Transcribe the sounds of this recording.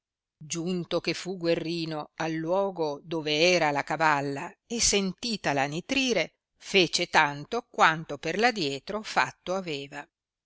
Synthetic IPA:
d͡ʒunt̪ok̟efːuɡwerːiːnoalːwɔːɡod̪oːveɛːɾalakavalːaesːent̪iːt̪alanit̪ɾiːɾe | feːt͡ʃet̪ant̪okwant̪operlad̪jɛːt̪ɾofa̰t̪ːoaveːva

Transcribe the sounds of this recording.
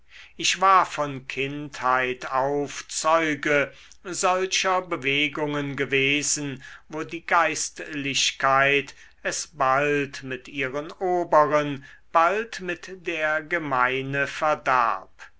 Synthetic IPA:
ʔɪʃv̥aːɐfɔnkʰɪnthaɪtaʊft͡sɔʏɡə | zɔlʃɐbəveːɡʊŋənɡəveːzn̩voːdiːɡaɪstlɪɕkʰaɪt | ɛsb̥altmɪtiːʁənoːbəʁən | b̥altmɪtd̥eːɐɡəmaɪnəfɛɐda̰ɐp

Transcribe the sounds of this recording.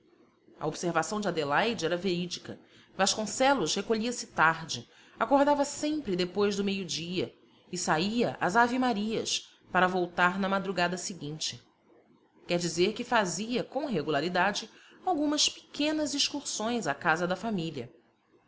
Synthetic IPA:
ɐ̰obseɾvasɐ̃w̃d͡ʒad̪elajd͡ʒɪɛɾɐveɾid͡ʒikɐ | vaʃkõsɛlʊʃhekoʎiɐsɪt̪aɾd͡ʒɪ | akoɾd̪avɐsẽmpɾɪd̪epojzd̪ʊmejʊd͡ʒiɐ | ɪsaiɐʔazavimaɾiɐs | paɾɐvowt̪aɾnɐmad̪ɾuɡad̪ɐsɪɡĩnt͡ʃɪ | kɛɾd͡ʒizeɾkɪfaziɐkõw̃ɦeɡulaɾid̪ad͡ʒɪ | awɡũmɐspɪ̥kẽnɐziʃkuɾsõj̃zakazɐd̪ɐfamiʎɐ

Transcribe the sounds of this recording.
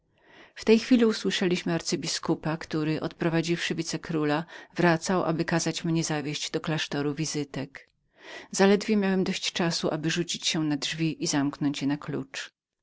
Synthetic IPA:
ft̪ɛjxfʲilʲiuswɘʂɛlʲiɕmɘaɾt̪sɘbʲiskupakt̪uɾɘʔɔ̰t̪pɾɔvad͡ʑifʂɘvʲit̪sɛkɾulavɾat̪sawʔa̰bɘkazat͡ɕmɲɛzavʲjeɕd͡ʑd̪ɔklaʂt̪ɔɾuvʲizɘt̪ɛk | z̥alɛd̪vʲjɛmʲjawɛmd̪ɔɕt͡ɕt͡ʂasuʔabɘʐut͡ɕit͡ɕɕɛnadʐvʲiʔizamknɔɲt͡ɕjɛnaklṵt͡ʂ

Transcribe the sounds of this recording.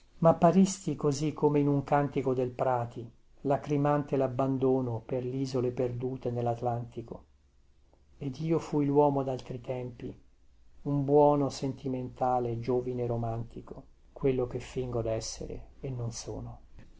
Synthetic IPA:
mapːaɾist̪ikozikʰːomeinuŋkant̪ikod̪elpɾaːt̪i | lakɾimant̪elabːand̪oːnoperliːzoleperd̪uːt̪enelːat̪lant̪iko | ed̪iːofuilwɔːmod̪alt̪ɾit̪ɛmpi | umbwɔːnosent̪iment̪aːled͡ʒoːvineɾomant̪iko | kwelːok̟efːiŋɡod̪ɛsːḛɾḛenːonso̰ːno

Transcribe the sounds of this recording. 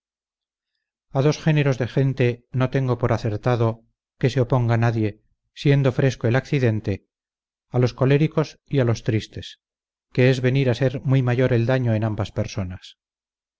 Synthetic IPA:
aðo̞sχe̞ne̞ɾo̞zðexe̞nt̪e̞no̞t̪e̞ŋɡo̞po̞ɾaθe̞ɾt̪aðo̞ | ke̞seo̞po̞ŋɡanaðje̞ | sje̞nd̪o̞fɾe̞skoe̞lakθiðe̞nt̪e̞ | alo̞sko̞le̞ɾiko̞sialo̞st̪ɾist̪e̞s | ke̞ezβe̞niɾase̞ɾmwuijmaʝo̞ɾe̞ld̪aɲo̞enambaspeɾso̞nas

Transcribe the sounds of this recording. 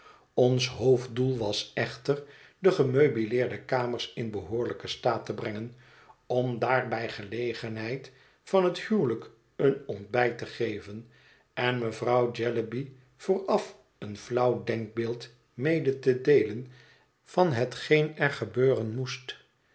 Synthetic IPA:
ɔnsɦowvdulˠʋɑsɛχtər | dəχəmøɥbilɪːɹdəkaːməɹsɪnbəɦʊːɹləkəstaːtəbrɛŋən | ɔmdaːɹbɛjχəlejχənɦɛjt | fɑnɦəthywlək | ənɔnt̚bɛjtəχejvən | ɛnməvrɑwd͡ʒɛləbi | v̥ʊːrɑf | ənflʌwdɛŋk̚beːlˠt | mejdətədejlən | vɑnɦətχejnɛɹχəbøːrənmust

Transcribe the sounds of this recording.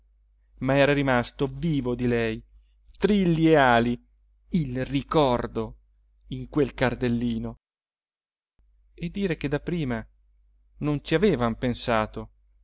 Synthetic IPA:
maɛːɾaɾimast̪oviːvod̪ilɛj | t̪ɾilːeaːli | ilrikɔrd̪o | iŋkwelkard̪elːiːno | ed̪ːiːɾek̟ed̪ːapːɾiːma | nont͡ʃiaveːvampensaːt̪o

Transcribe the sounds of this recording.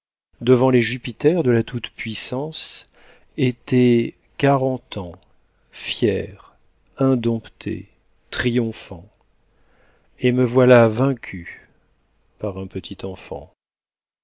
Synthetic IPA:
d̪əvɑ̃leʒypit̪ɛʁd̪əlat̪ut̪pɥisɑ̃s | et̪ɛ | kaʁɑ̃t̪ɑ̃ | fjɛʁ | ɛ̃d̪ɔ̃pt̪ʰḛ | t̪χijɔ̃fɑ̃ | eməvwalavɛ̃kʲʰy | paʁɛ̃pət̪ʰit̪ɑ̃fɑ̰̃

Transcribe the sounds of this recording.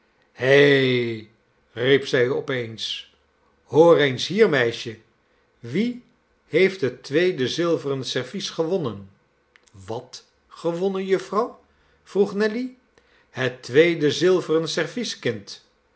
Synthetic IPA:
he | ripsɛjɔpejns | hoːrejnsɦiːɹmɛjʃə | ʋi | hejftɦətʋejdəzɪlˠvərənsɛɹvisχəʋɔnən | ʋɑt | χəʋɔnənjɵfrɑw | v̥ruχnɛli | hətʋejdəzɪlˠvərənsɛɹviskɪnt

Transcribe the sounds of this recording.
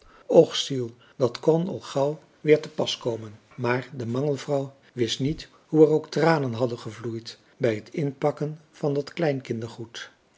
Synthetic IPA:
ɔχsilˠ | d̥ɑtkɔnɑ̰lˠχɑw | ʋɪːɹtəpɑskowmən | maːɹdəmɑŋəlˠvrɑw | ʋɪstnit | ɦuɛrowktraːnənɦɑdənχəvlujt | bɛjɦətʰɪnpɑkənv̥ɑndɑtklɛjnkɪndəɹχut

